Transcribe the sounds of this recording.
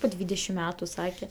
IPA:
poː ˈdʲʋʲiːdʲɛʃʲɪm ˈmʲæːtʊ ˈsɑːkʲɛ

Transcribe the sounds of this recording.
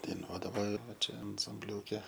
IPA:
dɐɪˈnuɔdɐʋoː ˈʋɐ ˈt͡ʃʲɛ ɐnsɐmʲˈbʲlʲuːkʲɛ

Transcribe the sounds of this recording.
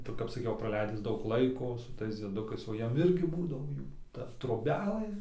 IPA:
tɐɪ kɐp sɐˈkʲɛʊ prɐˈlʲɛɪdʲɪs ˈdɐʊk ˈlˠɐɪkoː sʊ ˈtɐɪs d͡zʲiɛˈdʊkɐɪs oː ˈjiɛm ˈɪrʲɡʲɪ ˈbuːdɐʋoː ˈjuː ˈtɐ troːbʲɛˈlˠɘ

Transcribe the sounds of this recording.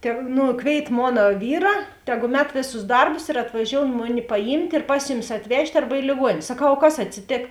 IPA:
tʲɛ ˈnʊ ˈkʋʲeːɪt ˈmoːnɐ ˈʋʲiːrɐ ˈtʲæːˌɡʊ ˈmʲɛt ˈʋʲeːˌsʊs ˈdɐrbʊs ɪr ɐtʋɐˈʒʲoːʊn ˈmʊˌnʲɪ pɐˈjiːmʲtʲ ɪr ˈpɐs jʊˌmʲɪs ɐtʲˈʋʲɛʃʲtʲ ɐrbɐ ɪ lʲeːˈɡuɔnʲeːnʲ sɐˈkɐʊ oː ˈkɐs ɐtʲsʲɪˈtʲeːk

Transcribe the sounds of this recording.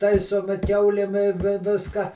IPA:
ˈtɐɪsoːmʲɪ ˈkʲɛʊlʲeːm ɪ ˈʋʲɪ ˈʋʲɪskɐ

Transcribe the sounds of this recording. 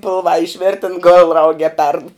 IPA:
ˈpʲɪlˠʋɑː ɪʃʲˈʋʲeːrʲtʲɛn ɡoːlˠ ˈrɐʊk ɛ pʲɛrt

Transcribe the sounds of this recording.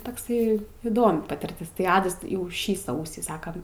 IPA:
tɐkˈsɐɪ iːˈdoːmʲɪ pɐtʲɪrʲˈtʲɪs tɐɪ ˈɑːdɐs jɛʊ ˈʃʲiː ˈsɐʊsʲiː ˈsɑːkɐm

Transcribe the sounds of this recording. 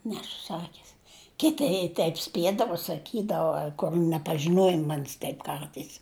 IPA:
ˈnʲæːsʊ ˈsɑːkʲɪs ˈkʲɪtʲɪ ɪ ˈtʲɛɪp ˈsʲpʲiɛdɐʋoː sɐˈkʲiːdɐʋoː koːlʲ nʲɛpɐʒʲɪˈnuɔjɪ ˈmɐnʲsʲ ˈtʲɛɪp ˈkɐrtɐɪs

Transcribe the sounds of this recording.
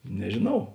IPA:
nʲɛʒʲeːˈnɐʊ

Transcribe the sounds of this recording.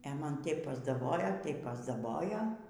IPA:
ɛ ˈmɐn ˈtʲɛɪp pɐzdɐˈboːjoː ˈtɐɪp pɐzdɐˈboːjoː

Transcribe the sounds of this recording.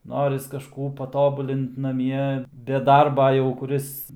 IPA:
ˈnoːrʲɪs kɐˈʃkuː pɐˈtoːbʊlʲɪnt nɐˈmʲiɛ bʲɛ ˈdɐrbɐ jɛʊ kʊˈrʲɪs

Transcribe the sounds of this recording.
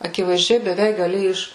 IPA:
ɐkʲɪʋɐɪzʲˈd͡ʒʲɛɪ bʲɛˈʋʲɛɪk ɡɐˈlʲɪ ˈɪʃ

